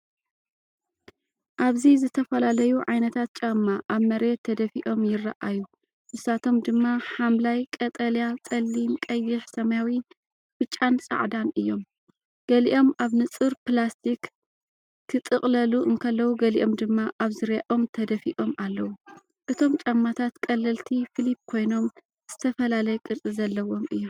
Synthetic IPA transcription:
ʔaβzizɨt̪ʰɐfɐlalɐjuʕajnɐt̪ʰat̪̚t͡ʃʼamːaʔaβmɐɾet̪ʰːɐd̪ɐfiʔo̞mjɪrːaʔaju | mɨsat̪ʰo̞md̪ɨmːaħamlajkʼɐt̪ʼɐljatʼɐlːimkʼɐjːɪħsɐmajawi | bɨt͡ʃʼːansʼa̰ʕd̪anɨjːo̞m | ɡ̥ɐliʔo̞mʔaβnɨt͡sʼɨɾplast̪ʰik | t̪ʰɨt̪ʼɨχʼlɐluʔɨŋkʰɐlːɐwuɡɐliʔo̞md̪ɨmːaʔaβzɨɾjaʔo̞mt̪ʰɐd̪ɐfiʔo̞mʔalːɐwu | ʔɨt̪ʰo̞mt͡ʃʼɐmːat̪ʰat̪kʼɐlːɐlt̪ʰifɨlip̚kʰo̞jno̞m | z̥ɨt̪ʰɐfɐlalɐjkʼɨɾt͡sʼɨzɐlːɐwo̞mʔɨjːom

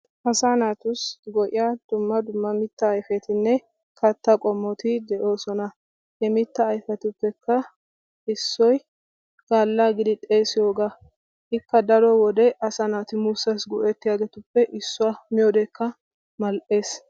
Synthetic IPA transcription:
ʔɐsaːnaːt̪ʊsɡɔʔɪjad̪̥ʊmːɐd̪ʊmːɐmɪt̪ːɐːjfɛt̪ɪnːɛ | kɐt̪ːɐkʼɔmːɔt̪ɪd̪ɛʔo̞ːsɔnɐ | hɛmɪt̪ːɐːjfɛt̪ʊpːɛkʰːɐ | ɪsːɔj | ɡ̥aːlːaːɡɪd̪ɪt̪ʼeːsɪjoːɡa | ʔɪkːɐd̪ɐɾɔwɔd̪ɛʔɐsaːnaːt̪ɪmʊsːɐsɡʊʔɛt̪ːɪjaːɡɛt̪ʊpːɛʔɪsːʊwamɪjoːd̪ɛkːɐ | mɐlʔe̞ːs

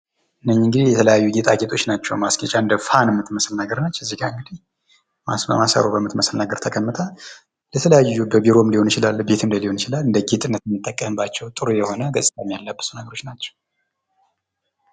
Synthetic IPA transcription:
ʔɨnːəɲːiŋɡɨd̪ihjɛt̪ʰələjajːuɡet̪ʼaɡet̪ʰo̞t͡ʃːnat͡ʃːɛwmaskət͡ʃʼaɨnd̪əfanɨmːɨt̪məslnaɡəɾnat͡ʃːɛzːiɡaɨŋɡɨd̪ih | masə̰masa̰ɾobəmɨt̪məslnaɡəɾt̪ʰəkʼəmːɨt̪ʰʼa | lɛt̪ʰələjajːubəbiɾo̞mliho̞nit͡ʃɪlalːbe̞t̪ʰɨmd̪əliho̞nɪt͡ʃɪlalɨnd̪əɡet̪ʼɨnːət̪mːɨt̪ʼːəkʼːəmbat͡ʃːɛwt̪ʼɨɾujɛho̞nəɡəsʼɨt̪ʼamːijalːəbːɨ̥sunəɡəɾo̞t͡ʃːnat͡ʃːɛ̥w

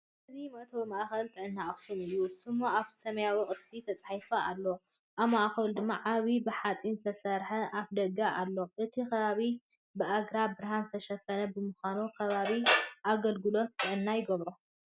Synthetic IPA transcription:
ʔɨzimɐʔt̪ʰobɨmaʔxɐlt̪ʰɨʕɨnːaʔɐxsumɨjːusɨmːoaβ̥ʰsɐmɐjawiχʼɨst̪ʰit̪ʰɐt͡sʼaħajfaʔalːo | ʔaβmaʔxɐld̪ɨmːaʕaβibɨħat͡sʼinzɨt̪ʰɐsɐɾħɐʔaβd̪ɐɡaʔalːo̞ʔɨt̪ʰikɐβaβi | bɨʔaɡɾabɨɾhanzɨt̪ʰɐʃɐfɐnɐbɨmuxanukʰɐβaβiʔaɡɐlɡɨlo̞t̪ːɨʕɨnːajɪɡɐβɾo

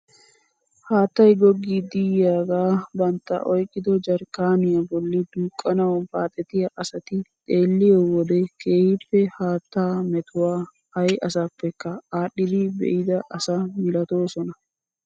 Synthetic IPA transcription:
haːt̪ːɐjɡɔɡːid̪ɪjjaːɡaːbɐnt̪ːɐ̰ʔɔjkʼːɪd̪ɔd͡ʒɐɾkːaːnɪjɐbɔlːɪd̪uːkʼːɐnɐwɐnfaːt̪ʼɛt̪ɪjɐʔɐsɐt̪ɪt̪ʼe̞ːlːɪjowɔd̪ɛkʰeːhɪpːɛhaːt̪ːaːmɛt̪ʊwaː | hɐjɐsapːɛkːɐaːɗːɪd̪ɪbɛ̰ʔɪd̪ɐʔɐsɐmɪlɐt̪o̞ːsɔnɐ

